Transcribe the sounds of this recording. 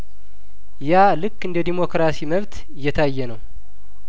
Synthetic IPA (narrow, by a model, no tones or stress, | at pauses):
jalɨkːɨnd̪əd̪imo̞kɾasiməβt̪ | ɨjːɛt̪ʰajːɛnəw